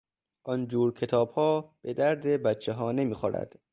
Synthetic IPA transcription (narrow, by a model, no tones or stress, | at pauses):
ʔɒnd͡ʒuːɾkʰe̞t̪ʰɒːb̥hɒːb̥e̞d̪æɾd̪ebæt̪t͡ʃʰːeɦɒːne̞miːxoɾæ̰d̪̥